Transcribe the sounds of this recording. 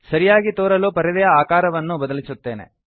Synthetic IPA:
sɐɾijaːɡit̪oːɾɐloːpɐɾid̪ɐjɐaːkaːɾɐʋɐnːubɐd̪ɐlisut̪ːe̞ːne̞̰

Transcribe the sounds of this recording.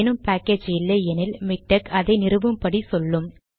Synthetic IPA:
nɯmpaːkːeːd͡ʒɪlːɐɛnɪlmɪk̚ʈɐkɐðɐɪnɪrɯʋɯmpɐɽisɔlːɯm

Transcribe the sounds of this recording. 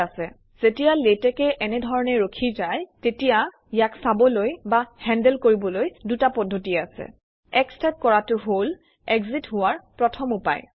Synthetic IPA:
asɛ | z̥etijaletɛkɛʔɛnɛdʱɔɹɔnɛɹokʰizajtetija | jaksabɔlojbahɛndɛlkoɹibɔlojdutapɔdʱːotiasɛ̰ | ɛkstap̚kɔɹatʊɦol | ɛɡzitɦʊwaɹpɹɔtʰɔmupa̰j

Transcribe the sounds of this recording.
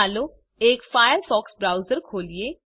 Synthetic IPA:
aːloː | eːkfaːjəlfɔːksbɾaːʊzəɾkʰoːlieː

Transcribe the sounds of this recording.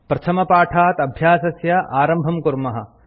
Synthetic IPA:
pɾɐt̪ʰɐmɐpaːʈʰaːt̪ɐbʱjaːsɐsjɐʔaːɾɐmbʱɐmkuɾmɐɦɐ̰̆

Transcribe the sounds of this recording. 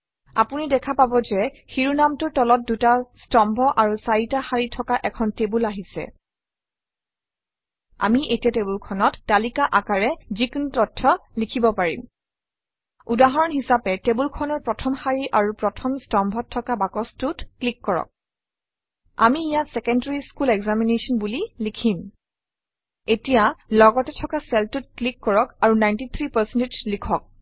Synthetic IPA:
a̰punidɛkʰapabɔzɛ | xiɹunamtʊtɔlɔt̚dutastɔmbʱɔʔaɹusaitaxaɹitʰɔkaʔɛkʰɔntebulaɦisɛ̰ | a̰miʔetiatebulkʰɔnɔtːalikaʔakaɹɛzikunutɔtʰːɔlikʰibɔpaɹḭm | udaɦɔɹɔnɦisapɛtebulkʰɔnɔɹpɹɔtʰɔmhaɹiʔaɹupɹɔtʰɔmstɔmbʱɔttʰːɔkabakɔstutklikːɔɹɔ̰k̚ | a̰miːjatsɛkɛndaɹiskulɛɡzaminesɔnbulilikʰim | etijalɔɡɔtɛtʰɔkasɛltut̚klikːɔɹɔkaɹunajntit̪ʰɹipasɛnted͡ʒlikʰɔk̚

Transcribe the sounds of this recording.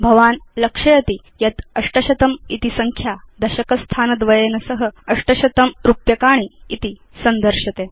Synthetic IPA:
bʱɐʋaːnlɐkʂɐjɐt̪i | jɐt̪ɐʂʈɐɕɐt̪ɐmit̪isɐŋkʰjad̪ɐɕɐkɐst̪ʰaːnɐd̪ʋɐjenɐsəɦəɐʂʈɐɕɐt̪ɐmɾupjɐkaːɳ̃iːt̪i | sɐnd̪əɾʂɐt̪e

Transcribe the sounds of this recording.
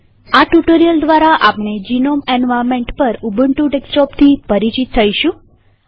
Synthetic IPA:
aʈuʈoɾijəld̪ʋaɾaʔapɳ̃ed͡ʑinomɛnʋaɾmeɳʈpəɾubəɳʈuɖeksʈɔpt̪ʰiːpəɾit͡ɕit̪t̪ʰəjɕũ

